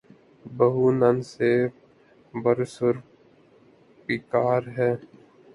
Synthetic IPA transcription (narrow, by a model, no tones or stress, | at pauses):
bəɦunənse | bəɾsʊɾ | pikaːɾɦɛː